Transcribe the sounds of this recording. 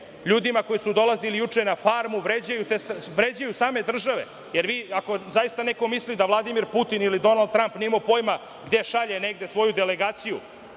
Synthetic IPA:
ʎuːd̪imako̞jisud̪o̞lˠazilijut͡ʂenafaɾmuʋɾed͡ʑajut̪est̪ʋɾed͡ʑajusaːme̞d̪r̩ʒaʋe̞̰ | jeɾʋiːako̞zaist̪aneko̞mislid̪aʋlˠad̪imiɾput̪inilid̪o̞nalˠd̪̚t̪ɾampnimopo̞jma | ɡd̪e̞ʃaʎeneɡd̪esʋo̞jud̪e̞le̞ɡaːt̪siju

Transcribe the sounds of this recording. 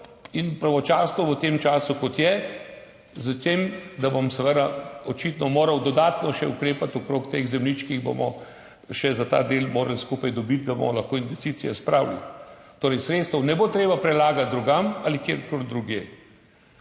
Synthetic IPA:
inpɾaʋɔt͡ʃaːsnɔʋət̪emt͡ʃaːsukɔt̪jɛ | zət̪eːmd̪abomsɛʋəd̪aɔt͡ʃit̪nɔmoːɾɐwd̪ɔd̪aːt̪nɔʃɛukɾeːpat̪ɔkɾoːkt̪eɣzɛmlit͡ʃkiɣbo̰mɔ | ʃɛzat̪a̰ːd̪eːlmoːɾɐlskuːpajd̪ɔbit̪̚d̪abo̰mɔlɐxkoːinʋɛst̪it̪sijɛspɾawlḭt̪oːɾɛjsɾet̪st̪əwnɛboːt̪ɾeːbapɾɛlaːɡat̪̚d̪ɾuɡamalikjeɾkold̪ɾuɡeː

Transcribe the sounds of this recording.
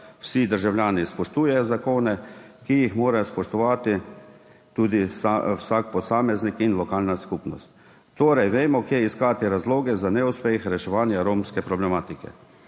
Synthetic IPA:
wsid̪əɾʒawljaːnispɔʃt̪uːjɛjɔzakoːnɛkijixmoːɾajɔspɔʃt̪ɔʋaːt̪i | t̪uːd̪isawsak̚pɔsaːmɛznikinlɔkaːlnaskupnɔst̪ː | oːɾajʋeːmɔkjɛiskaːt̪iɾazloːɡɛzanɛuspexɾɛʃɛʋaːnjaɾoːmskɛpɾɔblɛmaːt̪ikɛ̰

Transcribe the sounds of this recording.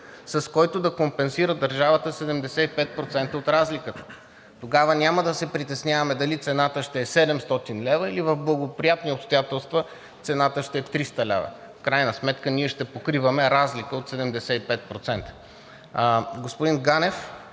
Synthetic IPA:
sɐskɔjt̪od̪ɐkompɛnsiɾəd̪ɐɾʒavət̪əsɛd̪ɛmd̪ɛsɛipɛt̪̚pɾot̪sɛnt̪əot̪ɾazlikət̪ə̥ | t̪oɡavənʲaməd̪ɐsɛpɾit̪ɛsnʲjavɐmɛd̪ɐlit̪sɛnat̪əʃt̪ɛɛsɛd̪ɛmst̪ɔt̪inlɛvəilivɐvblˠɐɡopɾijat̪niopst̪ojat̪ɛlˠst̪və | t̪sɛnat̪əʃt̪ɛɛt̪ɾist̪əlɛ̰vɐ̰ | fkɾajnəsmɛt̪kəniɛʃt̪ɛpokɾivɐmɛɾazlikəot̪sɛd̪ɛmd̪ɛsɛipɛt̪̚pɾot̪sɛnt̪ə̥ | ɡospʊd̪inɡanɛf

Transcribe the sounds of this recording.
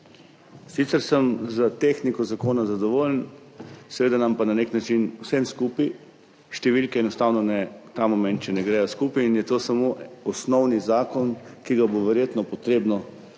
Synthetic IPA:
sit̪sɛɾsəmzət̪exnikɔzakoːnazad̪ɔʋoln | sɛʋeːd̪anampananeknat͡ʃinwsemskuːpi | ʃt̪ɛʋilkɛɛnɔst̪aːwnɔnɛt̪amɔmɛ̃nt̪̚t͡ʃɛnɛɡɾɛjɔskuːpiːnjɛt̪oːsamoʔɔsnɔwnizaːkɔnkiɡaboʋɛɾjeːt̪nɔpɔt̪ɾeːbnɔ

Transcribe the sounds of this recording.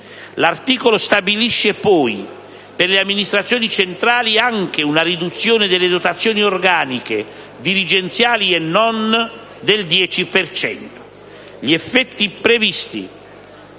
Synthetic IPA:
lart̪iːkolost̪abiliʃːepɔj | perleamːinist̪ɾat̪sjoːnit͡ʃent̪ɾaːliaŋk̟eunarid̪ut̪sːjoːned̪elːed̪ot̪at̪sːjoːniorɡaːnike | d̪iɾid͡ʒent̪sjaːliɛnːɔn | d̪eld̪jɛːt͡ʃipert͡ʃɛ̰nt̪o̥ | ʎiɛfːɛt̪ːipɾevist̪ḭ

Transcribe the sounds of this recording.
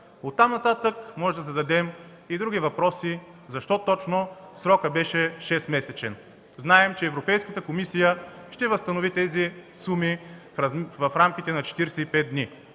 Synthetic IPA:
ot̪ːamnɐt̪at̪əkmɔʒɛd̪ɐzɐd̪ɐd̪ɛm | id̪ɾuɡʲivɐpɾɔsi | zɐʃt̪ɔt̪ɔt͡ʃnosɾɔkəbɛʃɛʃɛst̪mɛsɛt͡ʃɛn | znaɛmt͡ʃɛːvɾopɛjskət̪əkomisijəʃt̪ɛvəst̪ɐnovit̪ɛzisumi | vɐfɾamk̟it̪ɛnɐt͡ʃɛ̥t̪iɾsɛipɛt̪̚d̪ni

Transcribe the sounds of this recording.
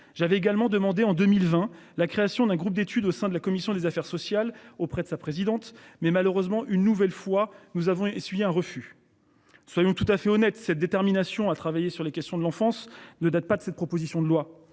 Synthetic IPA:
ʒ̥avɛeɡalmɑ̃d̪əmɑ̃d̪eɑ̃d̪ømilvɛ̃ | lakχeasjɔ̃d̪ɛ̃ɡʁup̚d̪et̪yd̪osɛ̃d̪əlakɔmisjɔ̃d̪ezafɛʁsɔsjalopχɛd̪əsapχezid̪ɑ̃t̪mɛmaløʁøzmɑ̃ʔynːuvɛlfwanuzavɔ̃esɥijeɛ̃ʁəfy | swajɔ̃t̪ut̪afɛɔnɛt̪sɛt̪̚d̪et̪ɛʁminasjɔ̃at̪χavajesyʁlekʲɛst̪jɔ̃d̪əlɑ̃fɑ̃snəd̪at̪̚pad̪ə̥sɛt̪̚pχɔpozisjɔ̃d̪əlwa

